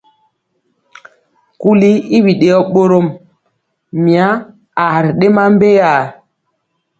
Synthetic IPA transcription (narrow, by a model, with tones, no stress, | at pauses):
ku˦li˦i˦wi˨ɗe˨ɔ˦ɓo˦ɾo˦˨m | mi˨a˦ | a˨ɾi˨ɗe˦ma˦m˦be˦ja˨